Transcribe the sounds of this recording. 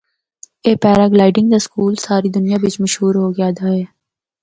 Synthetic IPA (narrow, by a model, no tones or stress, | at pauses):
eːpɛːɾaːɡlaːɪɖɪ̃ŋɡd̪askuːlsaːɾid̪ʊnijabɪt͡ʃmɐʃɦuːɾɦoːɡɪjaːd̪aːɦɛː